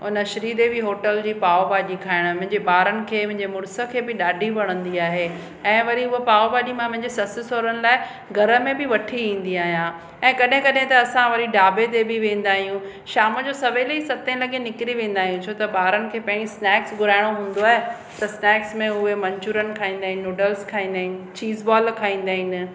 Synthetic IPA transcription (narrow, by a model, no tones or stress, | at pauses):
ʊnəʃɐɾiːd̪ebiɦoːʈəld͡ʑiːpaːobaːʄikʰaːɪɽ̃mʊ̃ɦɪ̃ɲd͡ʑeɓaːɾənɪ̆kʰeːʊ̃ɦɪ̃ɲd͡ʑemʊɾsə̆kʰeːbɪɗaːɖʱiʋɐɽ̃ə̃nd̪iaːɦe | ɛ̃ːʋɐɾiʊɦopaːobaːʄimãpʊ̃ɦɪ̃ɲd͡ʑesɐsɪsoːɾənɪ̆laːɪ | ɡʱɐɾə̆mẽbɪʋɐʈʰiʋĩːn̆d̪iaːɦijã | ɛ̃ːkɐɗɦɪ̃kɐɗɦɪ̃t̪ɐːsãʋɐɾiɖaːbet̪̬ebɪʋẽːn̆d̪aːɦijũ | ʃaːməd͡ʑoːsɐʋelɐisɐt̪ẽlɐɠenɪkɾiʋẽːn̆d̪aːɦijũt͡ɕʰoːt̪ɐɓaːɾənɪ̆kʰeːpɐ̃ɦɪ̃ɲd͡ʑisnɛːksɡʊɾaːɪɽ̃oɦũːn̆d̪oaːɦe | t̪ɐsnɛːksmẽʊɦemɐ̃ɲt͡ɕuːɾənɪ̆kʰaːĩːnd̪aːɦɪnɪoːɖəlskʰaːĩːnd̪aːɦɪnɪ̆t͡ɕiːzbɔːlkʰaːĩːn̆d̪aːɦɪnɪ̆